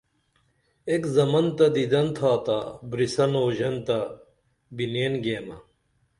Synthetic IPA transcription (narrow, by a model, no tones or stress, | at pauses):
ekzɐmɐnt̪ɐd̪id̪ɐnt̪ʰaːt̪abɾisɐnoːʑɐnt̪ɐ | bineːnɡeːmɐ